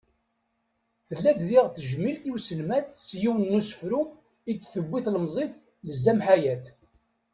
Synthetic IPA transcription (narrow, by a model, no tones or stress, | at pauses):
θəlːæððiʁθəʒmilt̪iwsəlmæθsjiwənːusə̥fɾum | ikːθəbːiθləmzˤeθ | ləzːæmħajæθ